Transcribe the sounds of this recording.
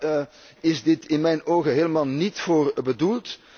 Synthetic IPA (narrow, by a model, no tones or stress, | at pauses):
ɪzdɪtɪnmɛjnoːɣəɦeːləmaːlˠnitfoːrbədulˠt